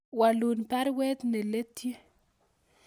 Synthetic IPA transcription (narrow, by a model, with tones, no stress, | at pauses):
wa˨lu˨npɛ˦ɾwɛ˦t̪nɛ˨le˦t̪je˦